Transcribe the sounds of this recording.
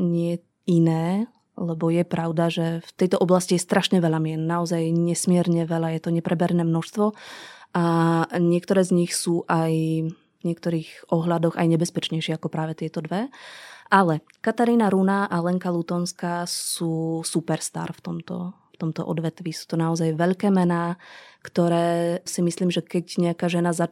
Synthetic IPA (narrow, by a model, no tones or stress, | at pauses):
ɲɪɛ | inɛː | lɛbɔjɛpɾaʊd̪aʒɛft̪ɛjt̪ɔʔɔblascijɛst̪ɾaʃɲɛʋɛʎamɪɛnnaɔzajɲɛsmɪɛɾɲɛʋɛʎajɛt̪ɔɲɛpɾɛbɛɾnɛːmnɔʃst̪ʋɔʔaɲɪɛkt̪ɔɾɛːzɲixsuːʔaj | ɲɛk̚t̪ɔɾiːɣʔɔɦlad̪ɔɣa̰jɲɛbɛspɛt͡ʃɲɛjʃɛakɔpɾaːʋɛt̪ɪɛt̪ɔd̪ʋɛʔalɛ | kat̪aɾiːnaɾunaʔalɛŋkalut̪ɔnskaːsuːsupɛɾst̪a̰ːɾft̪ɔmt̪ɔ̰ | ft̪ɔmt̪ɔ̰ʔɔ̰d̪ʋɛt̪ʋisu̥ːt̪ɔnaɔzajʋɛʎkɛːmɛnaːkt̪ɔɾɛːsimisliːmʒɛkɛcɲɛakaːʒɛnaza